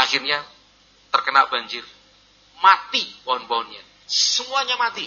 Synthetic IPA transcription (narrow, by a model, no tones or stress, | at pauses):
ʔaxirɲa | t̪ərkənaʔb̥aɲd͡ʒɪr | mat̪iboɦɔnbɔɦɔnɲa | səmuaɲamat̪i